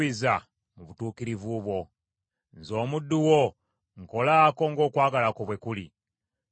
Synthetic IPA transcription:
iza | muβutuːkiɾivuβwo̞ | nzo̞ːmudːuwo | ŋko̞laːko̞ŋɡo̞ːkwaːɡalakoβwe̞kuli

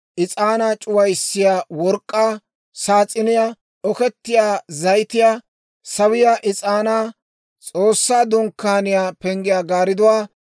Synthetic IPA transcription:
ʔɪt͡sʼaːnaːt͡ʃʼʊwɐjsːɪjaːwɔɾkʼːaː | saːt͡sʼːɪnɪja | ɔkɛt̪ːɪjaːzɐjt̪ɪjaː | sɐwɪjaːʔɪt͡sʼaːnaː | t͡sʼo̞ːsːaːd̪ɔŋkːaːnɪjaːpɛŋɡɪjaːɡaːɾɪd̪ɔwaː

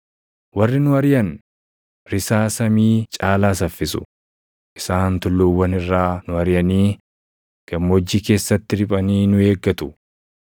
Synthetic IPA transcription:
wɐrːɪnʊɐɾɪjɐn | ɾɪsaːsɐmiːt͡ʃʼaːlaːs̬ɐfːɪsʊ̰ | ʔɪsaːnt̪ʊlːuːwːɐnɪrːaːnʊɐɾɪjɐniː | ɡ̥ɐmːoːd͡ʒːiːke̞ːsːɐt̪ːɪɾɪpʼɐniːnʊe̞ːɡːɐt̪ʊ̥

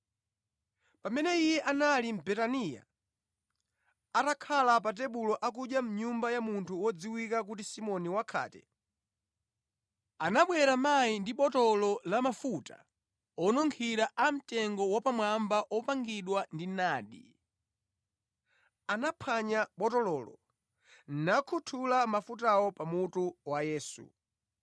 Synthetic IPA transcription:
pamɛnɛijɛʔanalim̩bɛtanija̰ | atakʰalap̬at̬ɛɓulɔʔak̬uʄjam̩ɲumbajamuntʰuwɔd͡ziwikak̬utisimɔniwakʰa̰ːtɛ̰ | anaɓwɛɾamajindiɓɔtɔlɔlamafuta̰ | ɔnɔŋkʰiɾaʔam̩tɛŋɡɔwapamwambaʔɔpaŋɡiɗwandinaːɗḭ | anapʰaɲaɓɔtɔlɔlɔ̰ | n̩nakʰutʰulamafutawɔpamutuwajɛːsṵ

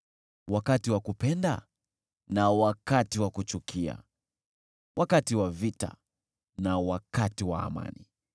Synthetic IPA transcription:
wakatiwakupɛnda | nawakatiwakut͡ʃukʰia̰ | wʔakatiwavita̰ | nawakatiwa̰ːma̰ni

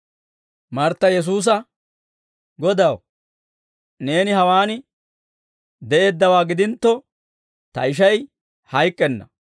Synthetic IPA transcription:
mɐɾt̪ːɐjɛs̬uːs̬ɐ | ɡɔd̪ɐw | ne̞ːnɪhɐwaːnɪ | d̪ɛʔe̞ːd̪ːɐwaːɡɪd̪ɪnt̪ːɔ | t̪ɐɪʃ̬ɐj | hɐjkʼːɛnːɐ̰

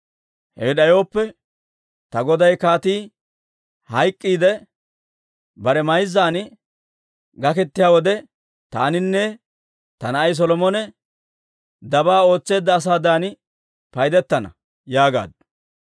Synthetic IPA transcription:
hḛːɗɐjo̞ːpːɛ | t̪ɐɡɔd̪ɐjkaːt̪iː | hɐjkʼːiːd̪ɛ | bɐɾɛmɐjzːaːn | ɡɐkɛt̪ːɪjaːwɔd̪ɛ | t̪a̰ːnɪnːɛ | t̪ɐnɐɐjs̬ɔlɔmɔnɛ | d̪ɐbaːo̞ːt͡sːe̞ːd̪ːɐːs̬aːd̪aːnɪ | pɐjd̪ɛt̪ːɐnɐ̰ | jaːɡa̰ːd̪

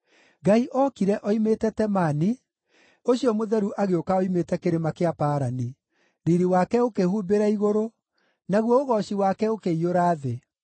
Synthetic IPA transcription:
ɡaiʔɔkiɾɛʔɔimeːtɛtɛmani | oɕiɔmoðɛɾuʔaɣeokaɔimetɛkeɾemakeapaːɾani | ɾiɾiwakɛokehuːbeɾaiɣoɾo | naɣwɔoɣɔɕiwakɛokeioɾaːðe

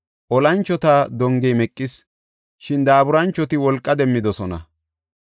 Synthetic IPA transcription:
ʔɔlɐnt͡ʃːɔt̪aːd̪ɔŋɡɛjmɛkʼːɪs | ʃɪnd̪aːbʊɾɐnt͡ʃːɔt̪ɪwɔlkʼːɐd̪ɛmːɪd̪ɔsɔnɐ̰

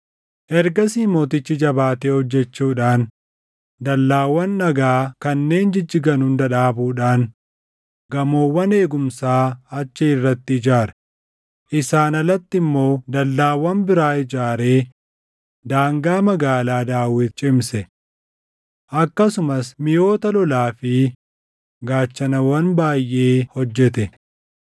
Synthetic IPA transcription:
ʔɛɾɡɐsiːmo̞ːt̪ɪt͡ʃːɪd͡ʒɐbaːt̪eːhɔd͡ʒːɛt͡ʃːuːᶑaːn | d̪ɐlːaːwːɐnːɐɡaːkɐnːe̞ːnd͡ʒɪd͡ʒːɪɡɐnʊnd̪ɐᶑaːbuːᶑaːn | ɡɐmo̞ːwːɐne̞ːɡʊmsaːɐt͡ʃːɪɪrːɐt̪ːɪɪd͡ʒaːɾɛ | ʔɪsaːnɐlɐt̪ːɪmːo̞ːd̪ɐlːaːwɐnbɪɾaːɪd͡ʒaːɾe̞ː | d̪aːŋɡaːmɐɡaːlaːd̪aːwɪt̪t͡ʃʼɪmsɛ | ʔɐkːɐsʊmɐsmɪjo̞ːt̪ɐlɔlaːfɪ | ɡaːt͡ʃːɐnɐwɐnbaːjːʔe̞ːhɔd͡ʒːɛt̪ɛ

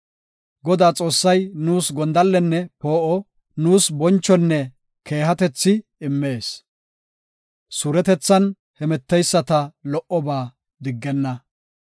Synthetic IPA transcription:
ɡɔd̪aːt͡sʼo̞ːsːɐjnuːsɡɔnd̪ɐlːɛnːɛpo̞ːʔɔ | nuːsbɔnt͡ʃːɔnːɛ | ke̞ːɦɐt̪ɛt͡sːɪɪmːe̞ːs | suɾɛt̪ɛt͡sːɐn | hɛmɛt̪ːɛjsːɐt̪ɐlɔʔɔbaː | d̪ɪɡːɛnːɐ

